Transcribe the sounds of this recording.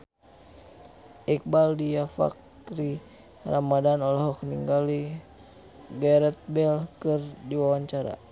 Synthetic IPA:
ʔik̚baldijafa̰k | ɾi | ramadanɔlaɦɔkniŋɡali | ɡaɾɛt̪̚bɛlkɨrdiwawaɲt͡ʃaɾa̰

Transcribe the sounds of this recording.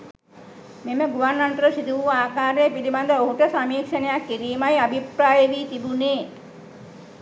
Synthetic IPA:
meməɡuʋarnːaɳʈəɾəsid̪uʋuaːkaːɾepiliband̪əoɦuʈəsamiːkʃənəjakːiɾiːmajabʱipɾaːjəʋiːt̪ibuneː

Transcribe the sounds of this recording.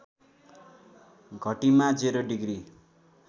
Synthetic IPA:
ɡʱʌʈimad͡zeɾoɖiɡɾi

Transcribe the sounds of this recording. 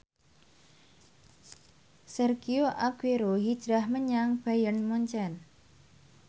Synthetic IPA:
sɛrɡioʔaɡ̥eɾoɦid̥ʒ̥ɾahməɲaŋb̥ajənmɔɲt͡ʃɛn

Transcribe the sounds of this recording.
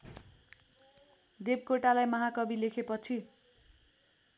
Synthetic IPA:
d̪ebkoʈalajmʌɦakʌbilekʰepʌt͡sʰi

